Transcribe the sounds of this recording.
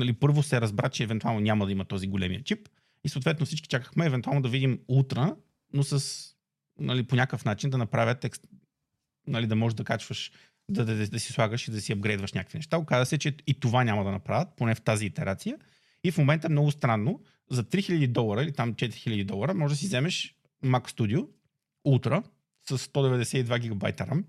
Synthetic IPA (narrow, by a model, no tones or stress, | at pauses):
nɐlipɤɾvosɛɾɐzbɾat͡ʃɛːvɛnt̪ualˠnonʲamɐd̪ɐimɐt̪ɔziɡolɛmiət͡ʃip | isoʊːt̪vɛt̪noʊfsit͡ʃki̥t͡ʃakə̥xmɛːvɛnt̪ualˠnod̪ɐvid̪imut̪ɾə | nosəs | nɐliponʲakəfnat͡ʃind̪ɐnɐpɾavʲjət̪ɛks | nɐlid̪ɐmɔʒed̪ɐkat͡ʃvəʃ | d̪ɐd̪d̪ɐsi̥slˠaɡəʃid̪ɐsiɐb̚ɡɾɛd̪vəʃnʲakəkvinɛʃt̪aokazəsɛt͡ʃɛit̪ovanʲamɐd̪ɐnɐpɾavʲət̪̚ponɛft̪aziːt̪ɛɾʔat̪sijə | ifmomɛnt̪əɛmnɔɡʊst̪ɾanːo | zɐt̪ɾixiʎʲəd̪id̪ɔlˠɐɾəilit̪amt͡ʃɛt̪iɾixilʲəd̪id̪ɔlˠəɾəmɔʒɛd̪ɐsizɛmɛʃ | makst̪ud̪io | ut̪ɾə | səsːt̪ɔd̪ɛvɛd̪ɛsɛid̪vaɡʲiɡɐba̰jt̪əɾa̰m